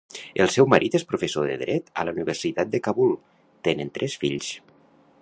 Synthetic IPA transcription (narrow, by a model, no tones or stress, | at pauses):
əlˠsɛwməɾʔit̪espɾufesoðə̰ðɾɛt̪ə̰ləuniβərsit̪at̪̚d̪əkaβulˠ | t̪enənt̪ɾʔɛsfiʎs